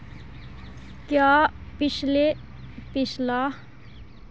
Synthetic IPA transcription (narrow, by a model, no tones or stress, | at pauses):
kjaːpɪt͡ʃle | pɪʃla